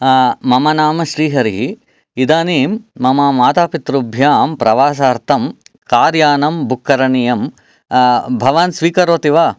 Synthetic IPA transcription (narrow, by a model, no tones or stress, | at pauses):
mɐmɐnaːmɐʃɾiːɦɐɾiɦi | id̪aːneːmːɐmaːmaːt̪aːpit̪ɾubʱjaːmpɾɐʋaːs̬aːɾt̪ʰɐmkaːɾjaːnɐmbʱukʰːɐɾɐɳijɐm | bʱɐʋɐnsʋiːkɐɾoːt̪iʋaː